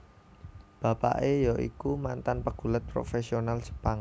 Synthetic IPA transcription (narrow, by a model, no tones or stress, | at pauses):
b̥a̤pa̰ʔejɔʔḭkumant̪anpəɡ̥ṳlət̪̚pɾo̰fesionalsə̥paŋ